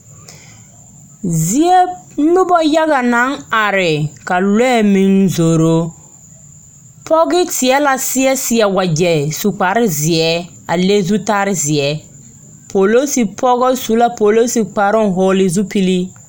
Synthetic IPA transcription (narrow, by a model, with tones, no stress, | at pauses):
zi˨ɛ˦m̩˦mɪ˦bɔ˦ja˦ɣa˨na˦ŋa˨ɾɪ˨ka˨lɛ˦˨mi˨nzoː˨ɾo˦ | pʰɔ˦ɣɪ˦tɪ˨ɛ˦la˨sɪ˦ɛ˦sɪ˨ɛ˨wa˨d͡ʒɛ˨su˨k͡pa˨ɾɪ˦zɪ˨ɛ˦ | a˨le˦zu˦ta˦ɾɪ˦zi˨ɛ˨ | po˨lo˦si˨pʰɔ˦ɣɔ˦su˨˦la˦po˨lo˦si˨k͡pa˨ɾɪ˦n˦ɦʊ˦lɪ˨zu˦pi˦li˦